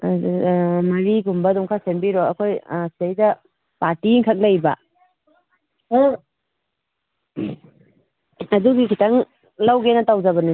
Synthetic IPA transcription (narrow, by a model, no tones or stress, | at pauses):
mɐɾiɡumbɐdɔŋkʰasembiɾɔɐkʰojsejdɐ | paɾtiŋkʰɐk̚lɐjbɐ | ɐduɡikʰitaŋ | lawɡenɐtawzabɐnu